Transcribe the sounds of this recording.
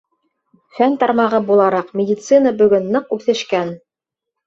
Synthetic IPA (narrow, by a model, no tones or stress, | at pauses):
fænt̪ɑɾmɑʁɤbulˠɑɾɑqmʲɪdʲit̪sɨnəbɵ̆ɡɵnːɤqʉθɘ̆ʃkæn